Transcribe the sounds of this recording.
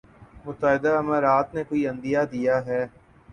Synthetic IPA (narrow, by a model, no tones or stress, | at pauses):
mʊt̪aɦɪd̪aəmaːɾaːt̪nekoːiə̃nd̪ijaːd̪ijaːɦɛː